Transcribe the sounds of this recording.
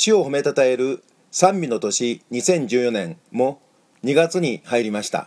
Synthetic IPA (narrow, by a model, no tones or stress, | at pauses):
ɕio̞home̞t̪at̪ae̞ɾɯ̟ | sãmʲbʲino̞t̪o̞ɕiɲ̟isẽ̞ɲ̟d͡ʑɨːjo̞nẽ̞ŋmo̞ | ɲ̟iɡat͡sɨɲ̟ihaiɾʲimaɕi̥t̪a̰